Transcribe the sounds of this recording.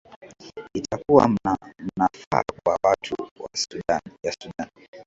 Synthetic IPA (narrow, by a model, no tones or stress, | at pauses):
itʰakuwa̰m̩nafa̰kwawatʰuwa̰sjasuɗan